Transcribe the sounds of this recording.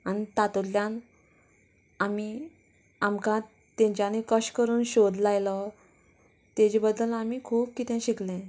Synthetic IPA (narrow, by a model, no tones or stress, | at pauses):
anit̪at̪uɾljãn | ami | amkã | t̪ẽɲt͡ɕanikəɕkəɾuːnɕod̪lajlə | t̪ed͡ʑebəd̪ːəlamiːkʰuːp̚kit̪ẽɕiklẽ